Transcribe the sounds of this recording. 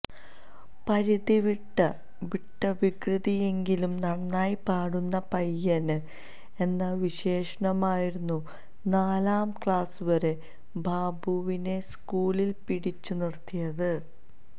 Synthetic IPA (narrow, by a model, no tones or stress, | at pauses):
pɐɾiðiʋiʈːɐ | ʋiʈːɐʋikrɨðije̞ŋɡilumnɐɽɐnːaːjpaːɽunːɐpɐjːɐnɨ | e̞nːɐʋiɕe̞ːʂɐɳɐmaːjiɾunːu | naːlaːmkɭaːsuʋɐɾe̞ | bʱaːbuʋine̞skuːlilpiɽit͡ɕːunirt̪ʰːijɐðɨ